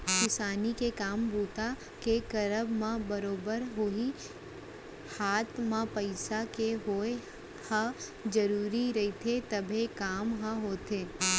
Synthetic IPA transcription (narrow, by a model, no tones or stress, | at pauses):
kɪsaːnikekaːmbuːt̪a | kekɐɾəbmãbɐɾoːbəɾɦoi | haːt̪mãpɐɪsakeɦoːe | həd͡ʒɐɾuːɾiɾɐit̪ʰet̪ɐbʱekaːmɦɐɦoːt̪eː